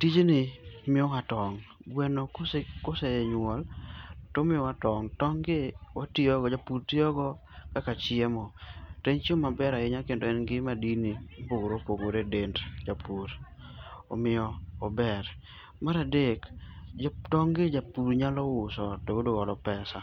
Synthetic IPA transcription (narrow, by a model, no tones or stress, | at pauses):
tid͡ʒenɪmɪɔŋatɔŋɡwɛnokskosɛeɲwɔltomɪɔwatɔŋtɔŋɡɪwatɪɔɡɔd͡ʒapuɾtiɔɡɔ | kakat͡ʃɪɛmɔteɲt͡ʃomabɛɾaɪɲakendoɛnɡɪmadiniopoɡoɾopoɡoɾedentd͡ʒapuɾ | omɪjɔːbɛɾ | maɾadek | tɔŋɡɪd͡ʒapuɾɲalɔwʊsɔtoɡodoɡɔlɔpɛsa